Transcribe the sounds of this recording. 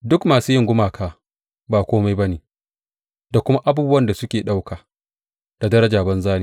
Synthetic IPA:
dʊ˦kmaː˨suː˦jɪ˦˨ŋɡʷʊ˦maː˨kʰaː˦ | baː˨kʷoː˦ma˦jbɐ˦neː˨ | da˨kʷʊ˦ma˦ʔa˦buː˦bʊ˦wɐ˦nda˨sʊ˦kʲeː˨ɗa˦wkaː˨ | d̥a˨dɐ˦ɾɐ˦d͡ʒaː˨bɐ˦nzaː˦ne˦˨

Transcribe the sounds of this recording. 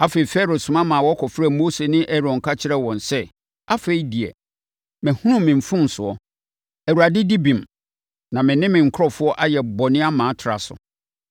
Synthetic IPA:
a˦fe˨i˨fɛ˦ɾo˨sʊ̃˨mã˦mã˨wɔ˦kʰɔ˨fɾa˦˨moː˦se˨nɪ̃˦ʔɛ˦ɾɔ̃˨ŋ̩˨kʰa˦t͡ɕʰɪ˦ɾɛ˦wɔ̃˨nsɛ˦ | a˦fe˨i˦di˨ɛ̰˨ | mɛ̃˨hũ˦ɾʊ̃˦mɪ̃˨m̩˨fʊ̃˦n̩˨sʊ˨ɔ˨ | ɛ˨wu˨ɾa˨dɪ˦di˦bĩ˨m | nã˨mɪ̃˨nɪ̃˦mɪ̃˨ŋ̩˨kʰɔ˦fʊ˦ɔ˦ʔa˦jɛ˨bɔ˨nɪ̃˦a˦mã˨˦tʰɾa̰˨sʊ̰˨

